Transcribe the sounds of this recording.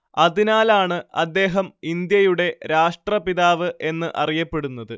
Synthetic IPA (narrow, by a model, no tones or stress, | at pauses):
ɐðinaːlaːɳɨɐd̪ːe̞ːɦɐmind̪jɐjuɽe̞ɾaːʂʈrɐpiðaːʋɨʔe̞nːɨʔɐrijɐpːe̞ɽunːɐðɨ